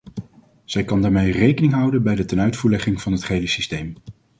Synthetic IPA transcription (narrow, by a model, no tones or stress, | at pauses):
z̥ɛjkɑndaːɹmejrejkənɪŋɦʌwdənbɛjdətɛnœɥtfuːɹlɛχɪŋv̥ɑnɦətχejləsistejm